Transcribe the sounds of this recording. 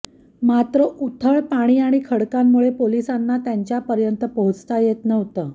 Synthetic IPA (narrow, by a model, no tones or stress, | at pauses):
mat̪ɾəʔut̪ʰəɭpaɽ̃iːaɽ̃ikʰəɽkamːuɭepolisanːat̪jaɲt͡ɕjapəɾjənt̪əpəɦut͡st̪ajet̪nəʋt̪əː